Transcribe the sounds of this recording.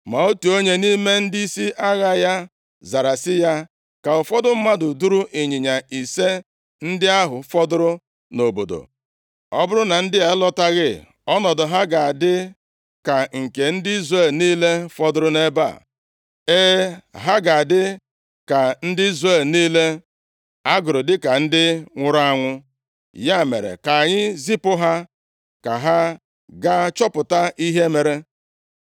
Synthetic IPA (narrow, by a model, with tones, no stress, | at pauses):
ma˨o˦tu˨o˦ɲe˦ni˦me˦n̩˦di˦si˦ʔa˦ɣa˦ja˦ | za˨ɾa˨sɪ˦ja˦ | ka˨ʊ˨fɔ˦dʊ˦m̩˦ma˦dʊ˨du˦ɾu˦ʔe˨ɲi˨ɲa˨i˨se˦ | n̩˦dɪ˦a˦ɦʊ˨fɔ˦dʊ˦ɾʊ˦ | no˨bo̰˨do̰˨ | ɔ˦bʊ˦ɾʊ˦na˨n̩˦dɪ˦e˨˦lɔ˦ta˦ɣɪ˦˨ | ɔ˦nɔ˨dʊ˨ɦa˦ɡa˨a˨dɪ˦ | ka˨ŋ̩˨ke˨n̩˦dɪ˦i˦zre˦˨lniː˦le˦fɔ˦dʊ˦ɾʊ˦ne˦ba̰˦˨ | e˦ɦa˦ɡa˨a˨dɪ˦ | ka˨n̩˦dɪ˦i˦zre˦˨lniː˦le˦ | a˦ɡʊ˨ɾʊ˨dɪ˦ka˨n̩˦dɪ˦ŋʷʊ˦ɾa˦ŋʷʊ˦ | ja˦˨mḛ˨ɾḛ˨ka˨ɲɪ˦zi˦pʊ˦ɦa˦ | ka˨ɦa˦ | ɡa˦t͡ʃɔ˦pʊ˨ta˦ʔi˦ɦe˦me˨ɾe˦